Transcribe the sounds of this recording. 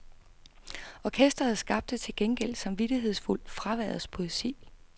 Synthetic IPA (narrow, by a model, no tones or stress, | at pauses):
ʔɒkʰesd̥ɐhæð̩ˠsɡ̥ɑ̈b̥d̥e̝t͡sʰe̝lɡ̥eŋɡ̥el̰̥sɑ̈mʋid̥iɦe̝ð̞̰ˠsful̰d̥fʁɑ̈ʋæ̰ɐðˠɐspʰo̝isḭː